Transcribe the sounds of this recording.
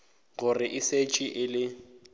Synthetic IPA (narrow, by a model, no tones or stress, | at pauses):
ɣʊrɪʔɪset͡ʃʼiʔɪlɪ